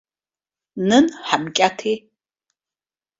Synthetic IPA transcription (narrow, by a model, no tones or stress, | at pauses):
nɨnħamkʼatʰeː